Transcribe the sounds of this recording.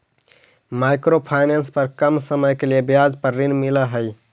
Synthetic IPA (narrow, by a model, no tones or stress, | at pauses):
majkɾopʰaɪnenspəɾkəmsəməjkeliebjad͡ʒpəɾːinmiləɦəj